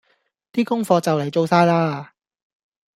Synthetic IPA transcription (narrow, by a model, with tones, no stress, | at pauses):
t̪iː˥kʊ˥ŋfɔː˧t͡sɐ˨wle˨˩jt͡so˧wsaː˥jlaː˥